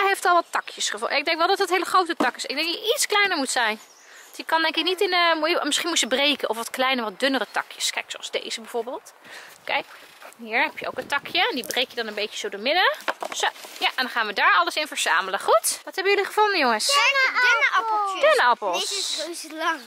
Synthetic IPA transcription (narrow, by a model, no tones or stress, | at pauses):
ɦejftɔlˠʋɑtːɑkʰjəsχəvuaɪɡ̚dɛŋkʋɛlˠdɔtətɦejləχrowtətɑkɪsɪɡ̚dɛnŋjəʔitsklɛjnəɹmutsɛjn | jəkɑndɛŋkɪk̚nitɪnəmuəmɪsχinmutəbrejkənʔɔfʋɑtklɛjnəʋɑt̚dʏnərətɑkʰjəskɛjksoɑlˠzdḛjz̥əbɛv̥oːɹbeːlˠtokḛj | ɦiːɹɦɛpjəo̰wkəntɑkʰjəɛndibrejkjədɑnənbejcəzowdoːɹmɪdəsojaʔɛndɑnχaːnʋədaːɹɑləsɪnvəɹz̥a̰ːmələχutʋɑtɦɛbəjøliχəvʊndəjoŋəsn | dønəɑplˠoslɑŋ